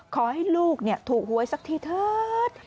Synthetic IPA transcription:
kʰɔ˨˩hɛ˦˥˩jluː˧˩k̚ni˧˩ət̪ʰuː˨˩k̚hu˨˩˦əjsa˦˥k̚t̪ʰiː˧˩t̪ʰəː˦˥t̪̚

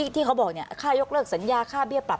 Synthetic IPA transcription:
t̪ʰiː˥˩kʰa˦˥wbɔː˨˩k̚ni˥˩kʰaː˥˩jo˦˥k̚lɤː˥˩k̚sa˩˦njaː˧kʰaː˥˩bi˥˩əpɾa˨˩p̚

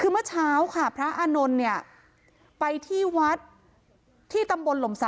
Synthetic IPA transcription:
kʰɯː˧mɯ˥˩ɐt͡ɕʰaː˦˥wkʰa˥˩pʰɾa˦˥ʔaː˧no˧nːi˥˩ɐə | pa˧jt̪ʰiː˥˩wa˦˥t̪̚ʰː | iː˥˩t̪a˧mbo˧nlo˩˦msa˨˩˦

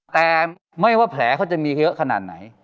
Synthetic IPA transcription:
t̪ɛː˨˩ | ma˥˩jwaː˥˩pʰlɛː˩˦kʰa˦˥˩wt͡ɕa˨˩miː˧jɤ˦˥ʔkʰa˧na̰ː˨˩t̪̚na̰˩˦j

